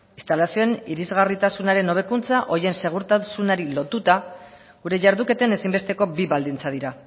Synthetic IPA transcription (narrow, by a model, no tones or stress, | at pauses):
ist̪alasio̞eniɾizɣarit̪asunaɾe̞no̞β̞e̞kunt͡saʔo̞je̞nse̞ɣ̞uɾt̪asunaɾilo̞t̪ut̪a | ɣuɾe̞ʝaɾðuke̞t̪e̞nesimbe̞st̪e̞ko̞biβald̪int͡sað̞iɾa